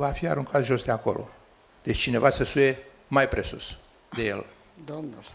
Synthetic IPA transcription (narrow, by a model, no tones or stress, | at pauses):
vafia̰ɾuŋkʰat̪ʒo̞sd̪eako̞̰lʔo̞̰ | d̪̥et͡ʃʲt͡ʃine̞vasəsuje̞ | majpɾe̞sṵs | d̪e̞jḛl | d̪omnl